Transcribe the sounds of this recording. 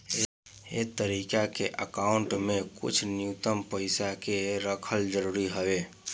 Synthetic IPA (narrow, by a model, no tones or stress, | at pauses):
ḛːt̪əɾiːkakeʔəkaːʊ̃ɳʈmẽkʊ̰t͡ʃʰnjut̪əmpəɪsakeɾəkʰəld͡ʒəɾuːɾiɦəʋeː